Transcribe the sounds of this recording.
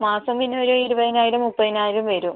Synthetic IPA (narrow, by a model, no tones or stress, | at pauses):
maːsɐmːinːuʋoɾuiɾubɐðinaːjiɽumːupːɐðinaːjiɾumʋeɾum